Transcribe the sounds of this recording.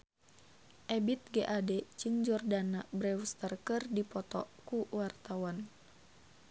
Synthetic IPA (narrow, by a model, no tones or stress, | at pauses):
ʔɛbit̪̚ɡɛʔadɛt͡ʃɨŋd͡ʒɔrdanabɾɛwst̪ərkɨrdipɔt̪ɔkuwart̪awan